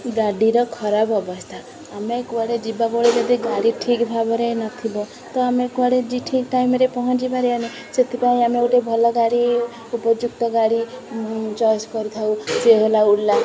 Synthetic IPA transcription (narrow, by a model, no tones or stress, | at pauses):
ɡaɽiɾʌkʰʌɾabʌbʌst̪ʰa | ɦamekbaɽed͡zibaboɽed͡ʒed̪iɡaɽiʈʰikbʱabʌɾenʌt̪ʰibo | t̪ʌɦamekaɽed͡ziʈʰikʈajmeɾepɔɦʌnt͡ʃibaɾeʌni | set̪ʰipaĩɦamiewʈebʱʌlɔɡaɽi | upʌd͡ʒuk̚t̪ʌɡaɽi | t͡ʃajskʌɾt̪ʰawt͡seɦolauɽla